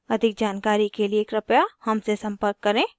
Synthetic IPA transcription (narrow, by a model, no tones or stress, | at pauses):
ɐd̪ʱɪk̚d͡ʒaːnkaːɾikelieːkɾɐpjahɐmsesɐ̃mpəɾkːɐɾẽː